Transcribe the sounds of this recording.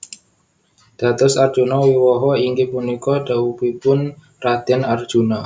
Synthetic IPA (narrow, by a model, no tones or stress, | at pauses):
d̪̥a̤t̪ɔsarʒ̥unɔwiwɔɦɔiŋɡepunikɔd̥a̤upipʊn | rad̪̥ɛnard̥ʒ̥ṳnɔ